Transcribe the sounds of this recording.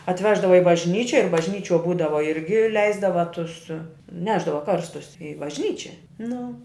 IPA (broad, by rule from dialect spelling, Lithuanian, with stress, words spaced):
ɐtʲˈʋʲæːʒdɐʋɐ ɪ bɐʒʲˈnʲiːt͡ʃʲɪ ɪr bɐʒʲˈnʲiːt͡ʃʲuɔ ˈbuːdɐʋɐ ˈɪrʲɡʲɪ ˈlʲɛɪzdɐʋɐ ˈtʊs ˈnʲæːʒdɐʋɐ ˈkɐrstʊs ɪ bɐʒʲˈnʲiːt͡ʃʲɛ ˈnʊ